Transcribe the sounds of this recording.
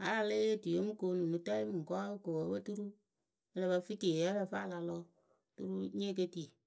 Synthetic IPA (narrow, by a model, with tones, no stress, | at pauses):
a˦la˦˧le˦e˦ti˨o˦mu˦ko˨˦nu˨nu˨ta˦i˦m˨ŋ̩˨kɔ˦ko˨wo˨˦bə˦tu˦ɾu˦ | ɛ˦lɛ˧ba˧fi˦te˨ɛ˦lɛ˦˧fa˦˨la˨lɔ˦ | tṵ˦ɾu˦ɲ˦e˦k̬e˦ti˨